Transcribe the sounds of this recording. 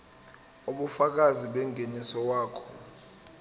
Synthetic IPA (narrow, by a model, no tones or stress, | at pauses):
uɓufak̬aziɓɛŋenisɔwaːkʰɔ̥